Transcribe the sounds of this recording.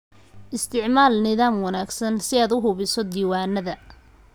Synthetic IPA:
ʔɪst̪ʰɪʕmaːlnɪðaːmwɐnaːɡsɐnsɪaːd̪ʊɦʊβɪsɔd̪iːwaːnɐðɐ

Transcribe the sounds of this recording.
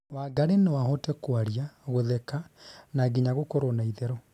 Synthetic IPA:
waɡaɾenewaɦɔtɛkwaɾiaɣoðɛkanaɡiɲaɣokɔɾonaiðɛɾɔ

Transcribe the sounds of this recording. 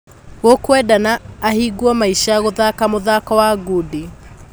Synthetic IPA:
ɣokwɛdanaːhiɡwɔmaiʃajaɣoðakamoðakawaɡudi

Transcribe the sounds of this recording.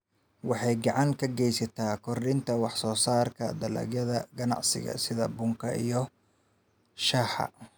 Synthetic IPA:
wɑħɑjɡɑʕɑŋkʰɐɡɛjsɐt̪ʰaːkʰɔrɗɪnt̪ʰɐwɑħsɔːsaːrkʰɐ̰d̪ɐlɐ̰ɡjɐðɐɡɐnɑ̰ʕsɪ̰ɣɐ̰sɪðɐbʊŋkʰɐijɞ | ʃaːħɑ̰

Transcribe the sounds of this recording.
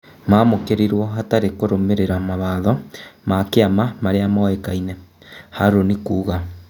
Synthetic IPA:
mamokeɾeɾwɔɦataɾekoɾomeɾeɾamaβaðɔmakeamamaɾeamaɛkainɛ | haɾonikuːɣa

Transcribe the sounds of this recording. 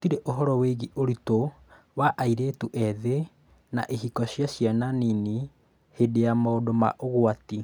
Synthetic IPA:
otiɾeʔoɦɔɾɔweɣiʔoɾito | waʔaiɾetuʔɛðe | na̰ʔeɦikɔɕjaɕjananini | hedejamaodoma̰ʔoɣoati

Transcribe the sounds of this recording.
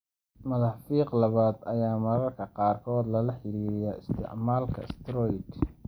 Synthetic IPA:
mɐðɑfiːqlɐβaːd̪ɐjaːmɐɾɐrkʰɐqɑːrkʰɔːd̪lɐlɐħɪɾiːɾɪjɐɪst̪ʰɪ̰ʕmaːlkʰɐ̰ɪst̪ɾɔjt̪

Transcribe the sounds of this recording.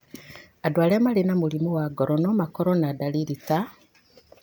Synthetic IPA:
adwaːlemalinamulimuwaɡoɾonomakoɾonadaliɾita

